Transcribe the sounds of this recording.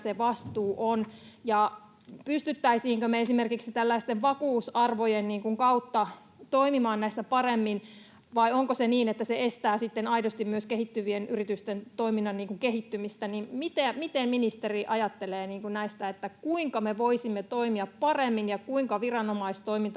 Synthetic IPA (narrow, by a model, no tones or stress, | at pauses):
seʋɑst̪uːʔonjɑ | pyst̪yt̪ːæisiːŋkømeesimerkiksit̪ælːæist̪eʋʋɑkuːsɑrʋojenniːŋkuŋkɑut̪ːɑ | t̪oimimɑːnnæist̪æpɑremːin | ʋɑioŋkoseniːnet̪ːæseest̪æːsit̪ːenɑidost̪immyøskehit̪ːyʋienyrit̪yst̪ent̪oiminːɑnniːŋkuŋkeɦit̪ːymist̪ænimmit̪emit̪emminist̪eriʔɑjɑt̪ːeleːniːŋkunnæist̪æet̪ːækuiŋkɑmeʋoisimːet̪oimiɑppɑremːinjɑkuiŋkɑʋirɑnomɑist̪t̪oimint̪ɑ